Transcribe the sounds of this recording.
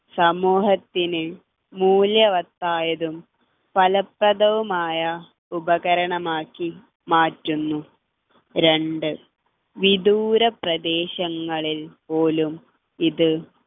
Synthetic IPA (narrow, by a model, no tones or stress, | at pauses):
sɐmuːɦɐt̪ːinɨ | muːljɐʋɐt̪ːaːjɐðum | pɐlɐprɐðɐʋumaːjɐ | ubɐɣɐɾɐɳɐmaːkːi | maːtːunːu | ɾe̞ɳɖɨ | ʋid̪uːɾɐprɐd̪e̞ːɕɐŋːɐɭilpo̞ːlum | iðɨ